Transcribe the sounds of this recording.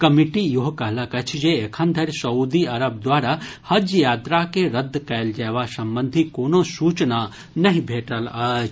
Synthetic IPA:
kɐmiʈijuɦkɐɦlakɐt͡ʃʰd͡ʒeekʰə̃nd̪ʱɐɾʲsɐuːd̪iɐɾɐb̚d̪ʋaːɾa | hɐd͡ʒjaːt̪ɾakeɾɐd̪ːkɐjld͡ʒaːʋasɐmbə̃nd̪ʱikoːnosuːt͡ʃna | nɐɦĩbʱeːʈəlat͡ʃʰ

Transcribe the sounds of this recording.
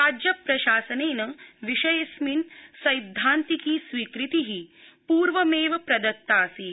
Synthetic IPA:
aːd͡ʒjɐpɾɐʃaːsɐneːnɐʋiʂɐjɐsminsɐjd̪ʱːaːnt̪ikiːsʋiːkɾit̪iɦipuːɾʋɐmeːʋɐpɾɐd̪ɐt̪ːaːsi

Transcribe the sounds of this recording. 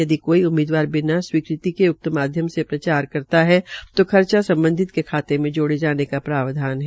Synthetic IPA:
jɐd̪ikoːiʊmeːd̪waːɾbɪnaswiːkɾɪt̪ikeʊk̚t̪əmaːd̪ʱjəmsepɾɐt͡ʃaːɾkɐɾt̪aɦɛt̪okʰɐɾt͡ʃasɐ̃mbə̃nd̪ʱɪt̪kekʰaːt̪emẽd͡ʒoːɽed͡ʒaːnekapɾaːʋd̪ʱaːnɦɛ

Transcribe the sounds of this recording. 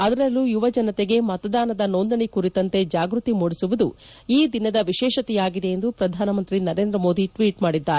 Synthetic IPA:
ɐd̪ɐɾɐlːujuʋɐd͡ʒɐnɐt̪eɡe̞mɐt̪ɐd̪aːnɐd̪ɐnond̪ɐɳikuɾit̪ɐnt̪e̞d͡ʒaːɡɾut̪imoːɽisuʋud̪u | iːd̪inɐd̪ɐʋiʃɛːʃɐt̪ijaːɡid̪e̞jend̪upɾɐd̪ʱaːnɐmɐnt̪ɾinɐɾe̞ːnd̪ɾɐmo̞ːd̪iʈʋiːʈmaːɽid̪ːaːɾe

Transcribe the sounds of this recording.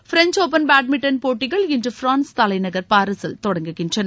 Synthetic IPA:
fɪɾɛnt͡ʃoːpɐnbaːʈ̚mɪʈːɐnpoːʈːɪɣɐɭɪndrɯfɾaːnst̪ɐlɐɪnɐɣɐɾpaːɾɐsɐlt̪ɔɽɐŋɡɯɣɪndrɐn

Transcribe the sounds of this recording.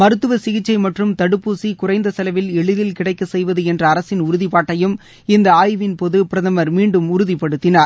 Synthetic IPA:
mɐɾɯt̪ːɯʋɐsɪɣɪt͡ʃːɐɪmɐʈrɯmt̪ɐɽɯpːuːsikʊrɐɪnd̪ɐsɐlɐʋɪlɛɭɯðɪlkɪɽɐɪkːɐsɛjʋɐðɯɛndrɐːɾɐsɪnʊɾʊðipaːʈːɐjɯm | ɪnd̪ɐaːjʋɪnpoðɯpɪɾɐðɐmɐɾmiːɳɖɯmʊɾʊðipːɐɽɯt̪ːɪnaːɾ

